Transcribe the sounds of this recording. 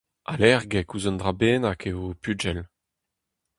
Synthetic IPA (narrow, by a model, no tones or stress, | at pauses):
a̰lɛʁɡekuzɔnd̪ʁabeːnakeopyd͡ʒɛl